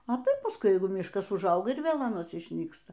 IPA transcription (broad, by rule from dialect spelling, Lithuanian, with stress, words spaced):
ɐ ˈtɐɪp pɐsˈkʊɪ ˈjɛɪɡʊ ˈmʲɪʃkɐs ʊʒˈɐʊɡɐ ɪr ˈʋʲeːlˠ ɐˈnɐs ɪʃʲˈnʲiːkstɐ